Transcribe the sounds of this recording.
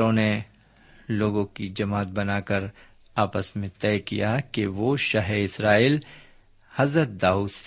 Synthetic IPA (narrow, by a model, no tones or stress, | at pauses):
õne | loːɡõkid͡ʒɐmaːt̪̚bɐnaːkəɾ | aːpəsmẽt̪ɛːkḭjakeʋoʃaɦeɪsɾaːiːl | hɐzɾət̪̚d̪aːuːd̪s